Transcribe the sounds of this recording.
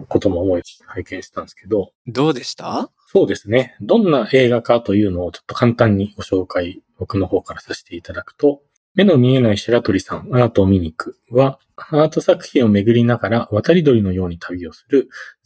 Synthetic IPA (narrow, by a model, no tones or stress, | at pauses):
ko̞t̪o̞mooi̥haikẽ̞ɰ̃ɕi̥t̪ãnd̪eske̞d̪o̞ | d̪oːd̪e̞ɕt̪a | so̞ːd̪e̞sɨne̞d̪õ̞nːaʔe̞ːɡakat̪o̞jɯ̟ːno̞ːt͡ɕo̥t̪ːo̞kãnt̪ãɲ̟ːio̞ɕo̞ːkaibo̞kɯ̟no̞ho̞ːkaɾasaɕi̥t̪e̞it̪ad̪akɯ̟̥t̪o̞ | me̞no̞mʲie̞naiɕiɾat̪o̞ɾʲisãŋaːt̪omʲiɲ̟ikɯ̟̥ | βa | haːt̪o̞sakɯ̟̥çʲĩɰ̃o̞me̞ɡɯ̟ɾʲinaɡaɾaβat̪aɾʲid̪o̞ɾʲino̞jo̞ːɲ̟it̪ʰabʲio̞sɨ̥ɾɯ̟